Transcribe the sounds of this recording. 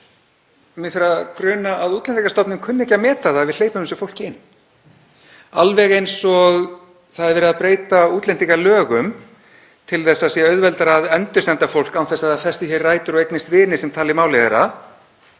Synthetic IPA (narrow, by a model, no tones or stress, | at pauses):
mɪθɾakɾœːnaaðuːt̪lɛnt̪ikast̪ɔpnɪmkʰʏnːɪɛhcamɛːt̪aðavɪðleːjpʏmsʏfowl̥cɪɪnː | alvɛɣejnsɔɣ | θaðɛɾvɛːɾɪðaðpɾeːjt̪auːt̪lɛnt̪iŋkalœːɣʏm | t̪ʰɪlθɛsːasiːaœɥðvɛlt̪aɾaðɛnt̪ʏst̪ɛnt̪afowl̥kawθɛsːaðafɛsɪçɛrraːjt̪ʏɾɔɣejknɪst̪vɪːnɪsɛmt̪ʰaːlɪmaːwlɛðɛɾa